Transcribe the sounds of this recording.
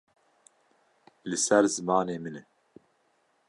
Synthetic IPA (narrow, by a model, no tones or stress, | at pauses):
lɨsɛɾzɨmɑːneːmɨnɛ